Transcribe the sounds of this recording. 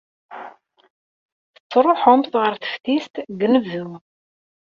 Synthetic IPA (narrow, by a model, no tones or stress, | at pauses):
θə̥t͡sːɾˤoħʊmθʁəɾθə̥fθist̪ɡnəvːu